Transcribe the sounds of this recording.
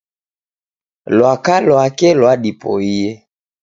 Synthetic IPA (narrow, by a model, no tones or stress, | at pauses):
lwakalwakɛlwadipɔ̰ijɛ